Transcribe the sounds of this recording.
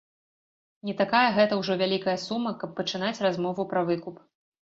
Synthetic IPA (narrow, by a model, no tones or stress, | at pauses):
nʲɛt̪akajɐɣɛt̪ɐwʐɔvʲalʲikɐjɐsumːɐkɐpːɐt͡ʂɨn̪at͡sʲrazmɔvupɾɐvɨkup